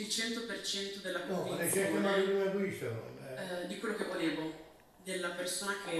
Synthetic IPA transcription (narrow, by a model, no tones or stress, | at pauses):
ilt͡ʃɛnt̪opert͡ʃɛnt̪od̪elːakɔet͡ʃɛk̪ːanainunakuiso̰ | d̪ikwelːokevːoleːvo | d̪elːapersoːnakʰe